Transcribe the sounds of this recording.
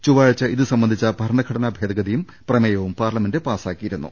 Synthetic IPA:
t͡ɕuʋaːɻɐt͡ɕːɐiðɨsɐmbɐnd̪it͡ɕːɐbʱɐɾɳɐɡkʰɐɽɐnɐːbʱeːd̪ɐɡɐðijum | prɐmɐjɐʋumpaːrlɐmendepaːsaːkːijiɾunːṵ

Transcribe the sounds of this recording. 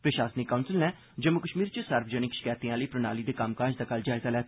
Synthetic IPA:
pɾəʃaːsnikːaʊnsəlnɛ̃ː | d͡ʒəmʊkəʃmiːɾt͡ʃəsəɾpʰd͡ʒəñɪkʃɪ̥kaːjt̪ĩãːləiːpɾəna̰ːliːd̪eːkamkaːd͡ʒd̪aːkəld͡ʒaːjzaːlɛːt̪ː

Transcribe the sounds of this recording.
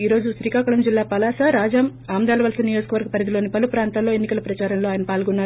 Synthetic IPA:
iːɾo̞ːd͡ʒuʃɾiːkaːkɐɭɐmd͡ʒilːaːpɐlaːsaɾaːd͡ʒɐmaːmd̪aːlɐʋɐlsɐnijoːd͡ʒɐkɐʋɐɾɡɐpɐɾɐd̪ilo̞ːnipɐlupɾaːnt̪aːlo̞ːenːikɐlɐpɾɐt͡ʃaːɾɐmlo̞ːaːjɐnɐpaːlɡunːaː

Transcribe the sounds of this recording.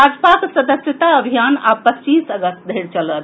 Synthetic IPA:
ad͡ʒpaksəd̪əsjət̪aəbʱijanapətːt͡ʃisəɡəst̪d̪ʱəiɾt͡ʃələt̪

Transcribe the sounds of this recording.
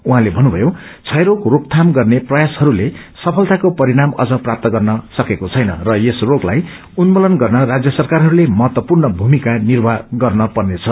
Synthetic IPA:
uɦãlebʱʌnːubʱʌjot͡sʰʌjɾokrok̚t̪ʰamɡʌrneprʌjashʌɾule | sʌpʰʌlt̪akopʌɾiɽamʌ̰d͡zʌprap̚t̪ʌɡʌrnʌsʌkekot͡sʰʌjnʌ̰rʌesroklaj | unmolʌnɡʌrnʌrad͡zjʌsʌrkarɦʌɾulemʌɦʌt̪wʌpurnʌbʱumikanirbʱaɡʌrnʌpʌrnet͡sʰʌ

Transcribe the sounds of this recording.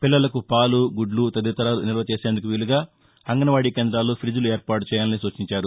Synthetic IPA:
pilːɐlɐkupaːluɡuɖlut̪ɐd̪it̪ɐɾaːlunilɐʋɐt͡ʃeːseːnd̪ukuʋiluɡaː | ɐŋɡɐnɐʋaːɽiːkeːnd̪ɾaːlːoːpʰɾid͡ʒulueːɾpaːʈut͡ʃɛːjaːlɐnisuːt͡ʃiɲt͡ʃaːɾu

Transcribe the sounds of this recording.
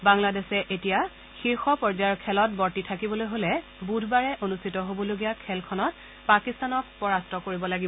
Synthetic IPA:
baŋladɛsɛʔetija | xiɹxɔpɔɹzaɹkʰɛlɔt̚bɔɹtitʰakibɔlojɦolɛbudʱbaɹɛʔonustʰitɔɦobɔloɡijakʰɛlkʰɔnɔt̚ | pakistanɔk̚pɔɹastɔkoɹibɔlaɡibɔ

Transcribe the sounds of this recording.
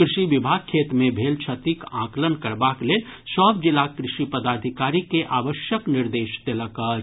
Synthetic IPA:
kɾɪʃiʋibʱaɡ̚kʰːeːt̪mẽbʱeːlt͡ʃʰət̪ikãːklənkəɾbakleːlsəbd͡ʒilakɾɪʃipəd̪aːd̪ʱikaːɾikeʔaːʋəʃjəkniɾd̪eːʃd̪eləkə

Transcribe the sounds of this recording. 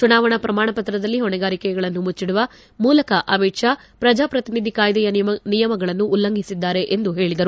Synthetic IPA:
t͡ʃunaːʋɐɳɐpɾɐmaːɳɐpɐt̪ɾɐd̪ɐlːiɦɔɳɛɡaːɾikɛjɐɡɐɭɐnːumut͡ʃːiɽuʋɐ | muːlɐkɐʔɐmiʈʂaː | pɾɐd͡ʒaːpɾɐt̪inid̪ʱikaːjd̪ɐjɐnijɐmɐɡɐɭɐnːuːlːɐŋɡʱisid̪ːaːɾe̞ʔend̪uɦe̞ːɭid̪ɐɾu

